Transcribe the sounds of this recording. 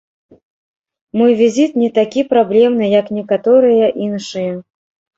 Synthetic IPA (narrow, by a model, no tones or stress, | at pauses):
mɔjvʲizʲit̪nʲɛt̪akʲipɾablʲɛmnɨjɐknʲɛkat̪ɔɾɨjɐʔinʂɨjɐ